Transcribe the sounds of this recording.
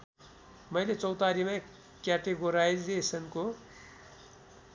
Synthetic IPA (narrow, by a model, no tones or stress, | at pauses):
mʌjlet͡sʌwt̪aɾimã | kjaʈeɡoɾajzesʌnko